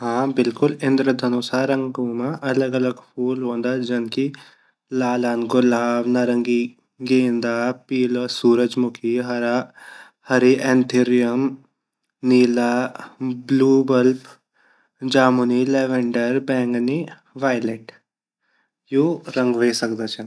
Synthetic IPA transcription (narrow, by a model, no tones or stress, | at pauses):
ɦãːbɪlkʊlɪ̃nd̪ɾəd̪ʱɐnusaːɾɐ̃ŋɡoːmãʔɐləɡɐləɡpʰuːlɦõːnd̪aːd͡ʒɐnki | laːlaːnɡʊlaːʋnaɾəŋɡi | ɡẽːnd̪aːpiːlosuːɾəd͡ʒmʊkʰiɦɐɾa | hɐɾiʔɛ̃ːnt̪ʰiɾijəm | niːlaːbluːbəlp | d͡ʒaːmunilɛːʋɛ̃ɳɖəɾbɛ̃ːŋɡni | ʋaːɪleʈ | juːɾə̃ŋɡʋeːsək̚d̪aːt͡ʃʰɐn